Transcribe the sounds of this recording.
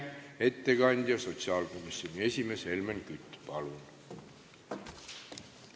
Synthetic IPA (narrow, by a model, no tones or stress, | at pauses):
e̞t̪ːeɡ̥ɑnʲd̪̥ʲjɑso̞t̪siɑːlko̞misionʲie̞sʲimeshe̞lmenkyt̪ːˑpɑlun